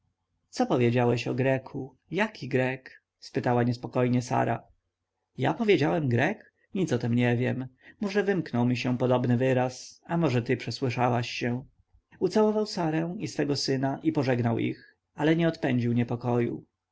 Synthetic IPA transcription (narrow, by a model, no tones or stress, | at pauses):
t̪sɔpɔvʲjed͡ʑawɛɕɔɡɾɛkʰu | jakʲiɡɾɛk | spɘt̪awaɲɛspɔkɔjɲɛsa̰ɾa̰ | ja̰pɔvʲjed͡ʑawɛmɡɾɛk | ɲit̪sɔt̪ɛmɲɛvʲjɛmmɔʐɛvɘmknɔwmʲiɕɛpɔd̪ɔbnɘvɘɾasamɔʐɛt̪ɘpʂɛswɘʂawaɕːɛ̃ | ut̪sawɔvawsaɾɛ̃w̃isfɛɡɔsɘnaʔipɔʐɛɡnawʔḭx | alɛɲɛɔt̪pɛɲd͡ʑiwɲɛpɔkɔjṵ